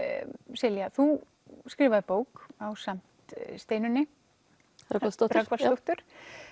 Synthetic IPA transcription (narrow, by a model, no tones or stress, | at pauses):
sɪljaθu | skɾɪːvaðʏpoːwkawsam̥t̪st̪eːjnʏnːɪ | ast̪ɾakvalst̪oht̪ʏɾ̥